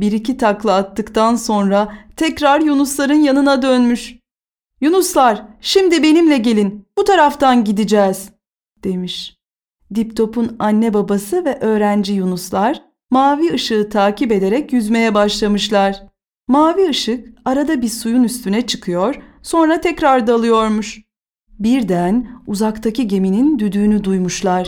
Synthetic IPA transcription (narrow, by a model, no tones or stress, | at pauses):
biɾicit̪ʰaklˠaat̪ːɯkt̪anso̞nɾat̪ʰɛcɾaɾjunuslˠaɾɯnjanɯnad̪ønmyʃ | junuslˠaɾ̥ʃimd̪ibe̞nimlʲɛɟe̞lʲinb̥ut̪ʰaɾaft̪anɟid̪id͡ʒɛːz̥ | d̪̥e̞miʃ | d̪ipt̪ʰo̞punanːɛbabasɯvɛʔø̞ːɾænd͡ʒijunuslˠaɾ̥ | maːviɯʃɯɯt̪ʰaːcibe̞d̪e̞ɾɛcjyzme̞jɛbaʃlˠamɯʃlˠaɾ̥ | maːviɯʃɯkaɾad̪abiɾsujunyst̪ynɛt͡ʃʰɯ̥kʰɯjo̞ɾ̥so̞nɾat̪ʰɛcɾaɾd̪aːlˠɯjo̞ɾmuʃ | biɾd̪ænuzakt̪ʰaciɟe̞minind̪yd̪yːnyd̪ujmuʃlˠaɾ̥